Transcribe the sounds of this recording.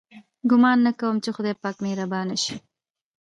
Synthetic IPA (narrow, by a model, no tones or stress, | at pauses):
ɡʊmɑnːakawəmt͡ʃexʊd̪ejpɑːkmeɾabɑnaʃi